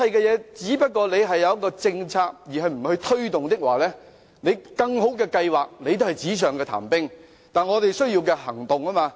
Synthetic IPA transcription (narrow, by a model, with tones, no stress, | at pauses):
ɐ˨˧jkɛː˧jɛː˨˧t͡siː˨˥pɐ˥t̚kːɔː˧le˨˧jɦɐ˨jːɐ˧wjɐ˥kːɔː˧t͡sɪ˧ŋt͡sʰaː˧k̚jiː˨˩ɦɐ˨jm̩˨˩hɵ˧ɥt̪ʰɵ˥ɥt̪ʊ˨ŋt̪ɪ˥k̚waː˨˩lɛː˥ | ne˨˧jkɐ˧ŋɦo˨˥wkɛː˧kɐ˧jwaː˨˩k̚ne˨˧jt̪̬o˥hɐ˨˩jt͡siː˨˥s̬œː˨ŋkɛː˧t̪ʰa̰ː˨˩mpɪ˥ŋ | t̪aː˨nŋɔː˨˧t̪e˨jsɵ˥ɥjiː˧wkɛː˧hɐ˨˩ŋt̪ʊ˨ŋaː˥maː˧